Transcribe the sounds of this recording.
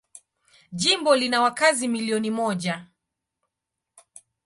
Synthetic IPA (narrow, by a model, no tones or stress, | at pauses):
ʄimbɔlinawakazimiliɔnimɔʄa